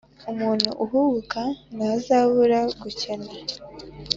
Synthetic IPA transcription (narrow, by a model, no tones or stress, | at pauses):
umuːn̥hṵʔuɦuβukanazaβuɾaɡucena